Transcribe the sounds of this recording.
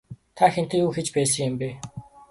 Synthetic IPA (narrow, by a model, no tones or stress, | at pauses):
t̪ʰaxent̪eːuːxet͡ɕpæːs̬ə̆ŋjʊmpe